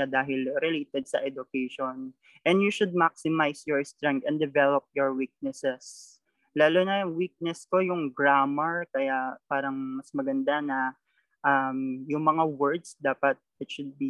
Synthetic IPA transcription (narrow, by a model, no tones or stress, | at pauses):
ad̪aːɦɪlɾɛleːt̪ɛd̪̚sɐ̰ʔɛd̪ʊkɛjʃon | ʔɛnd̪juʃʊd̪̚mak̚sɪmajsjɔɹst̪ɾɛŋk̚t̪ɛ̃nd̪ɛvɛlop̚jɔɹwik̚nɛsɛs | laːlonɐjʊŋwik̚nɛsko̞jʊŋɡɹamɛɹkɐjapaːɾɐŋmɐsmɐɡɐnd̪anɐ | ʔɐmjʊŋmɐŋawɛɹd̪sd̪aːpɐt̪̚ʔɪt̪ʃʊd̪̚bi